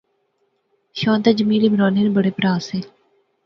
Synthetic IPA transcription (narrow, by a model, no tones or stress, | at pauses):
ʃõːnt̪ad͡ʒəmiːɾeːbɾaːneːnebəɽeːpɾaːseː